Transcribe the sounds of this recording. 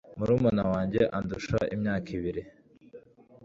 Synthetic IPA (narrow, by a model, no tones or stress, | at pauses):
muɾuːmanawaːɲɟe̞ʔanduʃa̰ʔimɲaːkiβiɾi